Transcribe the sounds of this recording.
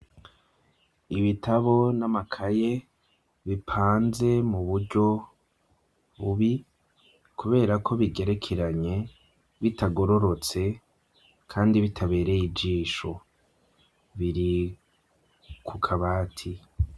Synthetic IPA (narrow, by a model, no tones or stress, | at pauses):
iβitʰaβo̞namakʰaje̞ | βipʰaːnze̞muβuɾɟo̞ | βuβi | kuβe̞ːɾakʰo̞βiɡe̞ɾe̞kʰeɾaɲe̞ | βitaɡo̞ɾo̞ɾo̞t͡se̞ | kʰaːndiβitʰaβe̞ːɾejid͡ʒiːʃo̞ | βiɾi | kʰukʰaβaːtʰi